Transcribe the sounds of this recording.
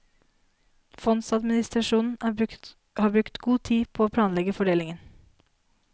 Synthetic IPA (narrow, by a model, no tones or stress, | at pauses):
fɔnsɑd̪mɪnɪst̪ɾɑʃuːnn̩ | hɑːbɾʉkt̪ɡuːt̪ʰiːpʰoːoːpʰlɑːnlɛɡəfɔɖeːlɪŋən